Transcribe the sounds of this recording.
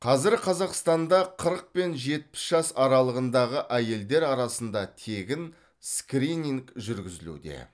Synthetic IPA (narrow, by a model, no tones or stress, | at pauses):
qʰɑzɪɾqʰɑzɑqst̪ɑnd̪ɑqʰəɾəq̚pe̞nʒe̞t̪̚pɪ̥sʒ̥ɑsɑɾɑlˠəʁənd̪ɑʁəʔæje̞ld̪e̞ɾɑɾɑsənd̪ɑt̪ʰe̞ɡʲɪn | skrinʲiŋkʒʏɾɡʲɪzɪlṵd̪ḛ